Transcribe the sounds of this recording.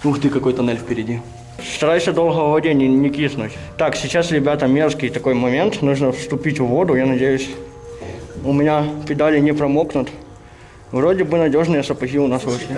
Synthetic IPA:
nuxt̪ɨkɐko̞jt̪ɐnɛlʲfpʲɪɾʲɪdʲi | st̪ɐɾajsʲəd̪o̞lˠɦəvvɐdʲenʲɪnʲɪkʲisnʊtʲ | t̪aksʲɪt͡ɕːasɾʲɪbʲat̪əmʲe̞rskʲɪjt̪ɐko̞jmɐmʲe̞nt̪nuʐnəfst̪ʊpʲitʲvvo̞d̪ʊjanɐdʲejʊsʲ | ʊmʲɪnʲapʲɪd̪alʲɪnʲɪpɾɐmoknʊt̪ | vɾo̞dʲɪbɨnɐdʲo̞ʐnɨjəsəpɐɣʲiʊnasvɨʂlʲɪ

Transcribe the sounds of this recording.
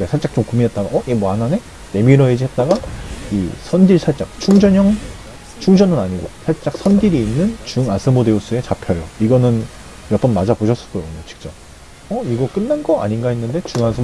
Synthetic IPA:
ɡasʰaɭt͡ɕ͈ak̚t͡ɕ͈omkuminɦet͈aɡaʔʌjemanane̞ | ne̞miɾʌed͡ʑiɦe̞t̚t͈aɡaisʰʌndiɭsʰaɭt͡ɕ͈ak̚t͡ɕʰuŋd͡ʑʌɲʌŋ | t͡ɕʰuŋd͡ʑʌnɯnaɲiɡo̰sʰaɭt͡ɕ͈ak̚sʰʌndiɾiːnːɯnt͡ɕuŋasʰɯmode̞os͈ue̞t͡ɕapʰjʌjo̰iɡʌnɯn | jʌtp͈ʌnmad͡ʑapoɕʰʌs͈ʌk͈ʌjoɲot͡ɕi̥k̚t͡ɕ͈ʌ | ʌiɡʌk͈ɯnːanɡʌa̰ɲinɡainːɯnde̞t͡ɕuŋansʰɯ

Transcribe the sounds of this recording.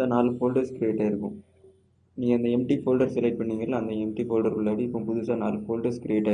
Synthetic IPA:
aːnaːlɯfoːlɖɐɾskɪɾɪeːʈːaːɪɾɯkːʊ̃ | niːŋɡɐɐnd̪ɐɛmʈifoːlɖɐɾsɐlɐɪʈ̚pɐɳːiːŋɡɐlɐɐnd̪ɐɛmʈifoːlɖɐɾkʊɭːaːɽiɪpːɐ̃pʊðuːsaːnaːlɯfoːlɖɐskɪɾɪeːʈːaː

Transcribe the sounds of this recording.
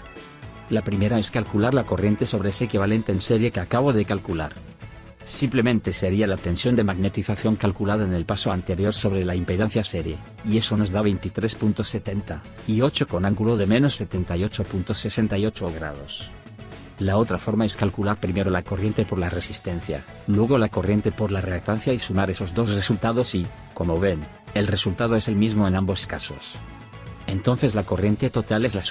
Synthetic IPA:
lapɾime̞ɾaeskalkulaɾlako̞rje̞nt̪e̞so̞β̞ɾeeseekiβale̞nt̪eːnse̞ɾjekeakaβo̞ðekalkula̰ɾ | simplemẽnt̪e̞se̞ɾialat̪e̞nsjo̞nd̪e̞maɣne̞t̪iθaθjo̞ŋkalkulað̞aene̞lpasoant̪e̞ɾjo̞ɾso̞β̞ɾe̞laimpeðen̟θjase̞ɾje | ie̞sono̞zðaβ̞e̞jnt̪it̪ɾe̞spunt̪o̞sːe̞t̪e̞nt̪a | io̞t͡ʃoko̞naŋɡulo̞ðemẽ̞no̞sːe̞t̪e̞nt̪ajo̞t͡ʃopunt̪ose̞se̞nt̪ajo̞t͡ʃoɣ̞ɾa̰ð̞o̞s | laot̪ɾafo̞ɾmaeskalkulaɾpɾime̞ɾolako̞rje̞nt̪e̞po̞ɾlare̞sist̪e̞n̟θja̰ | lwe̞ɣ̞olako̞rje̞nt̪e̞poɾlarelak̚t̪an̟θjaisumaɾe̞so̞zðo̞sresult̪aðosi | ko̞moβe̞n | e̞lre̞sult̪að̞oe̞se̞lmizmoe̞nãmbo̞skaso̞̰s | e̞nt̪o̞n̟θe̞zlako̞rje̞nt̪e̞t̪o̞t̪alezlas

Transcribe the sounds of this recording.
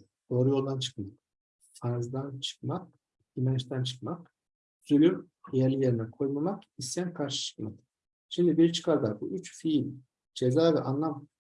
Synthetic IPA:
d̪̥o̞ːɾujo̞lˠd̪ant͡ʃʰɯ̥kmak̚ | faɾzd̪ant͡ʃʰɯ̥k̚mak̚ | imɛnt͡ʃt̪ʰænt͡ʃʰɯ̥kmak | z̥ølʲym | jeɾlʲijeɾinɛkʰo̞jmamakist̪ijænkʰaɾʃɯ̥t͡ʃʰɯ̥kmak | ʃimd̪ibiɾt͡ʃʰɯ̥kʰaɾd̪aɾbuʔyt͡ʃfilʲ | d͡ʒe̞zaːviʔanlˠam

